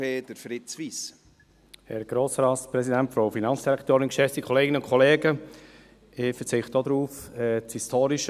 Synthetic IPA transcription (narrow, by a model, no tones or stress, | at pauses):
eːdəɾfɾɪtt͡sʋiːs | hɛ̰ɾɡ̥ɾoːsɾɑːtpɾɛsidæntfɾoʊfinɑnsd̥iɾɛkʰtoːɾɪnkʃɛfd̥ikʰɔleːɡɪnəʊnkʰɔleːɡə | ɪfəɾt͡sɪχtod̪ɾuːfɛt͡shistʰoːɾiʃ